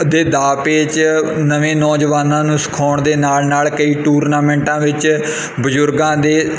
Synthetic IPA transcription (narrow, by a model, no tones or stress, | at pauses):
d̪eːd̪aːpeːt͡ʃnəʋẽːnɔːd͡ʒʋaːnãːnũːsə̥kʰɔːɳd̪eːnaːlnaːlkəiːʈuːɾnaːmɛ̃ːɳʈãːʋɪt͡ʃ | bəzʊɾɡãːd̪eː